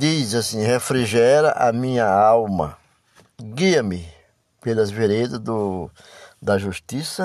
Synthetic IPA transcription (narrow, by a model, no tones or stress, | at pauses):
d̪izasĩhefɾiʒɛɾɐʔɐmĩɲɐawmɐ̰ | ɡiɐmɪ | pelɐzveɾed̪ɐzd̪ʊ | d̪ɐʒuʃt̪isɐ